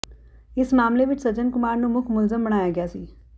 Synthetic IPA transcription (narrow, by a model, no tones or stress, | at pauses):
ɪsmaːmleʋɪt͡ʃʰsɐd͡ʒənkʊmaːɾnũmʊkʰmʊlzəmbəɽ̃aːjaɡɪjaːsiː